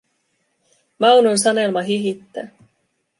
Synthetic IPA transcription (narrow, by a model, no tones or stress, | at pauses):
mɑwnons̬ɑne̞lmɑɦiɦit̪ːæː